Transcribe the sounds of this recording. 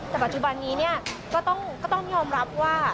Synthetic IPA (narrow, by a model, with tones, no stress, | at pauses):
t̪ɛː˨˩pa˨t̪̚t͡ɕu˨ba˧nːiː˦ni˥˩ɐkɔː˥˩t̪ɔ˥˩ŋkɔː˥˩t̪ɔ˥˩ŋjɔː˧mɾa˦˥p̚waː˥˩